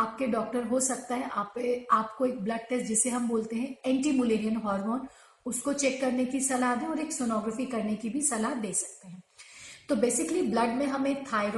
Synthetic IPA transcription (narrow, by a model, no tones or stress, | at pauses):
aːp̚keɖɔːk̚ʈəɾɦosɐk̚t̪aɦɛʔaːpeaːpkoeːk̚blɐɖ̚ʈɛːsd͡ʒɪseɦɐmboːlt̪eɦɛ̃ɛ̃ːɳʈimʊleːɾijənɦɔːɾmoːn | ʊskot͡ʃɛːkːɐɾnekisɐlaɦd̪ẽɔːɾeːksonɔːɡɾəfikɐɾnekibʱisɐlaɦd̪eːsɐk̚t̪eɦɛ̃ːt̪obeːsɪkliblɐɖmẽɦɐmẽːt̪ʰaːɪɾ